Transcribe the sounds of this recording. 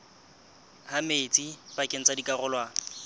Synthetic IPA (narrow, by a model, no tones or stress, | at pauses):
hamet͡sʼipakʼɪn̩t͡sʼadikʼarʊlwaː